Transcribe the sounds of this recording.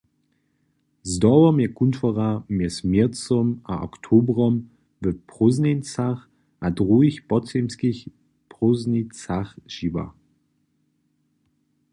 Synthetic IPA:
zdɔwɔmjɛkuntʰfɔʁamjɛsmɛt͡sɔmʔaʔɔ̰ktʰoːbʁɔm | vəpʁ̥oznent͡saχ | ʔadʁuiçpɔt͡semskiç | pʁoznit͡saχʒ̥iva̰

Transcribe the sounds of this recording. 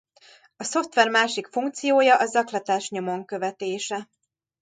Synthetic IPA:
ɒso̞ft̪ʋɛrmaːʃikfuŋk̚t̪sijoːjɒʔɒzɒklɒt̪aːʃɲo̞mo̞ŋkø̞vɛt̪eːʃɛ

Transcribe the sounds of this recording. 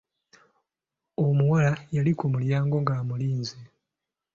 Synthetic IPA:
omuwalajalikumuljaːŋɡo̞ŋɡaːmuliːnze

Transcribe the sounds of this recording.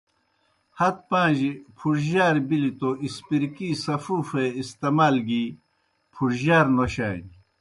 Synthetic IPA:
hɐt̪̚pãːʑipʰuɾʑaːɾbilit̪oʔispiɾkisɐfuːfeist̪emaːlɡi | pʰuɾʑaːɾnoɕaːn

